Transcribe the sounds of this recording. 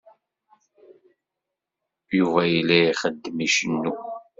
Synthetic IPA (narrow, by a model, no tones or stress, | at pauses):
juvæjilːæiχəd̪ːəmiʃənːu